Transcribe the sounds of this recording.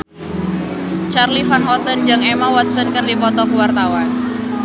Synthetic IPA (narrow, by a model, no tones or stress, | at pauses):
t͡ʃarlifanɦɔt̪ənd͡ʒaŋɛmawɔt̪̚sənkərdipɔt̪ɔkuwart̪awan